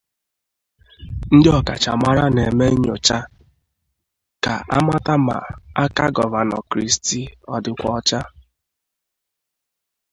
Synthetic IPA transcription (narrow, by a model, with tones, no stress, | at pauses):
n̩˦dɪ˦ɔ˨ka̰˨t͡ʃa˨ma˦ɾa˦ne˨me˦ɲo̰˨t͡ʃa˦ | ka̰˨ʔa˦ma˦ta˦ma̰˨a˦ka˦ɡɔ˨va˨nɔ̰˨kɾi˦sti˦ɔ˨dɪ˨kʷɔ˦t͡ʃa˦